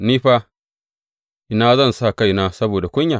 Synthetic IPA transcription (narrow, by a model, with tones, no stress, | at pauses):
niː˦ɸa˦ | ʔɪ˨na˦zɐ˦˨nsa˦˨ka˦˨jna˦sɐ˦boː˨da˨kʷʊ˦ɲja˨